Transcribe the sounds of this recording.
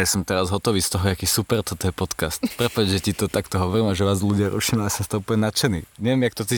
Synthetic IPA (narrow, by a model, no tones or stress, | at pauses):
jasɔmt̪ɛɾazɦɔt̪ɔʋiːst̪ɔɦɔakiːsupɛɾt̪ɔt̪ɔjɛpɔt̪kast̪pɾɛpaɟʒɛtit̪ɔt̪akt̪ɔɦɔʋɔɾimaʒɛʋaːzluɟɪaɾʔṵʃimaasast̪ɔupəɲɛnat͡ʃɛnḭɲɛʋɛmjakt̪ɔt͡siː